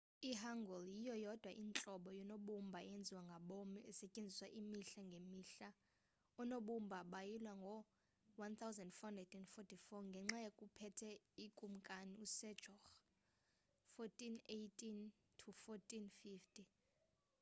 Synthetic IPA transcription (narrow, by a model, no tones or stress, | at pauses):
iɦaŋɡɔljijɔjɔd̥ʱwaʔint͡ɬʼɔɓɔjɔnoɓumbʱaɛjend͡zʱiwaŋɡʱaɓomiɛsɛcʼend͡zʱiswaʔimiɬaŋɡʱemiɬa | ɔnoɓumbʱaɓajilwaŋɡʱɔ | want̪ʰawzɛ̃ndfɔndɛdɛndfɔtʰifɔŋɡʱɛŋ͡ǁajekʼupʰɛtʰɛikʼum̩kʼaniusɛdd͡ʒ̥ʱɔx | fɔtʼinejtʼin | tʰufɔtʼinfiftʰʼi